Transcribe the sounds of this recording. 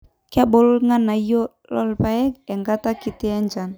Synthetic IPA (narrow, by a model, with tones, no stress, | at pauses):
ka˦bɔ˨lŋa˦na˨jo˦ | lɔ˦lpaɛ˦kɛ˨ŋɡat̪a˦ki˨t̪i˦a˦ɲd͡ʒa˨n